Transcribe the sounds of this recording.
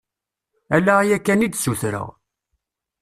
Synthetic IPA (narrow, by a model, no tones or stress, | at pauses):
ælːæjækːænid̪suθɾə̰ʁ